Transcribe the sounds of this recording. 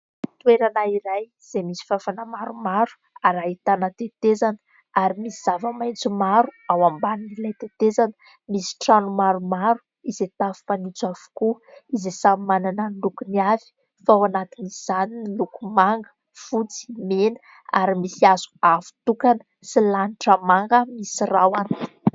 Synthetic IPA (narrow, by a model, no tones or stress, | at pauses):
t̪ueɾanaiɾaj | z̥emisi̥fafanamaɾumaɾu̥ | aɾait̪anət̪et̪ezanə | aɾimisiz̥avəmajnt͡sumaɾuawambaninilajt̪et̪ezanə | misi̥ʈ͡ʂanumaɾumaɾu̥ | izet̪avi̥fanit͡suavu̥kuizesamimanananilukuniavi̥ | fawanat̪iniz̥aninilukumaŋɡə̥ | fut͡si̥menə̥ | aɾimisiazu̥avu̥t̪ukanə̥ | silaniʈ͡ʂəmaŋɡəmisirawan̥